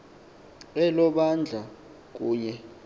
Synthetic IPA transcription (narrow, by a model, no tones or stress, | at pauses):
ɛlɔɓand͡ɮʱa | k̬uːɲɛ